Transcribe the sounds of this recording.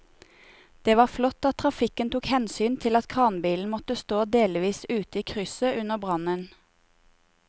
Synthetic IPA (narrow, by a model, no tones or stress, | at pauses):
d̪̥eːʋɑːflɔt̪ːɑt̪̚ʰʁɑfɪkənt̪ʰuːkhɛnsyːnt̪ʰɪlɑt̪kʰɑːnbiːln̩mɔt̪əst̪oːd̪eːlʋiːsʉːt̪əiːkʰʁʏsəʔʉnəʁbʁɑnən